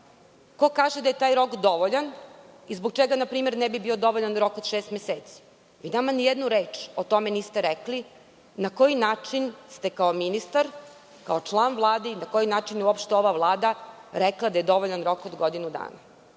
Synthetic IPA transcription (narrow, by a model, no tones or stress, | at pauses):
ko̞kaːʒed̪ajet̪aːjɾo̞kd̪o̞ʋoʎanizboɡt͡ʃeɡanapɾiːmeɾnɛbibio̞d̪o̞ʋoʎanɾo̞kod̪ʃeːst̪meseːt̪si̥ | ʋinamanijed̪nuɾe̞ːt͡ʃot̪o̞meniːst̪eɾekli | nako̞jinaːt͡ʃinst̪e̞kaominist̪aɾ | kao̞t͡ʂlˠaːnʋlˠaːd̪einako̞jinaːt͡ʃinjeuopʃt̪eo̞ʋaʋlˠaːd̪aɾeklˠad̪aje̞d̪o̞ʋoʎanɾo̞kod̪ɡo̞d̪inud̪a̰ːna